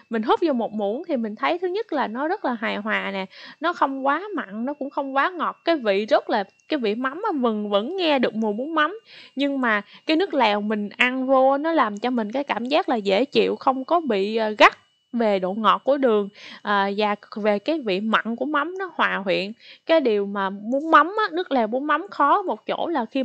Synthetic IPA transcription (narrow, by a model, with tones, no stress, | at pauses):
mï˨˩ŋ̟ɦu˦˥p̚zɔ˧mo˨˩t̚mu˧˩ənt̪ʰi˨˩mï˨˩ŋ̟t̪ʰə˨˦jt̪ʰɨ˨˦ɲə˦˥t̚laː˨˩nɔ˨˦zə˦˥t̚laː˨˩ɦaː˨˩jɦwaː˨˩nɛ˨˩nɔ˨˦xə˧wŋ͡mkwaː˨˦ma̰˧˨nnɔ˨˦kʊ̰˧˥ŋ͡mxə˧wŋ͡mkwaː˨˦ŋɔ˨˩t̚kaː˨˦jvḭ˧˨zə˦˥t̚laː˨˩ | kaː˨˦jvḭ˧˨ma˨˦wmʔvɨ˨˩ŋvə̰˧˥nŋɛ˧ɗɨ˨˩ək̚mu˨˩mu˨˦ənma˨˦wmɲɨ˧ŋmaː˨˩kaː˨˦jnɨ˦˥ək̚lɛː˨˩wmï˨˩ŋ̟ʔa˧nvo˧nɔ˨˦laː˨˩mt͡ɕɔ˧mï˨˩ŋ̟kaː˨˦jkaː˧˩mzaː˦˥k̚laː˨˩zḛ˧˩t͡ɕḭ˧˨əwxə˧wŋ͡mkɔ˨˦ɓḭ˧˨˩ɣa˦˥t̚ | ve˨˩ɗo̰˧˨ŋɔ˨˩t̚ku˧˩əɗɨ˨˩əŋʔəː˨˩zaː˨˩ve˨˩kaː˨˦jvḭ˧˨ma̰˧˨nku˧˩əma˨˦wmnɔ˨˦hwaː˨˩ɦwḭ˧˨ənkaː˨˦jɗi˨˩əwmaː˨˩mu˨˦ənma˨˦wmʔaː˨˦nɨ˦˥ək̚lɛː˨˩mu˨˦nma˨˦wŋ͡mxɔ˨˦mo˨˩t̚t͡ɕo̰˧˥laː˨˩xi˧